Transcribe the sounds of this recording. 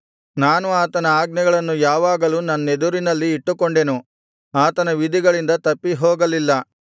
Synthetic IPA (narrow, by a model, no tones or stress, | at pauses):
naːnuaːt̪ɐnɐaːɡnɛɡɐɭɐnːujaːʋaːɡɐluːnɐnːed̪uɾinɐlːiːʈːukoɳɖe̞nu | aːt̪ɐnɐʋid̪ʱiɡɐɭind̪ɐt̪ɐpːiɦɔːɡɐlilːɐ